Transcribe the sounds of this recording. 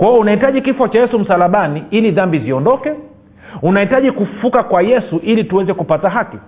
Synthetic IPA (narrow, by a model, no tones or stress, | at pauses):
kwaɔunahitaʄikifɔt͡ʃajɛsum̩salaɓaniiliðambiziɔndɔkɛ | unahitaʄikufukakwajɛsuʔilituwɛzɛkupataɦaki